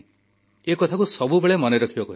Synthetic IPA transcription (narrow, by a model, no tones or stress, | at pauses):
ekɔt̪ʰakusɔbubeɭemɔneɾɔkʰibɔkɔɦi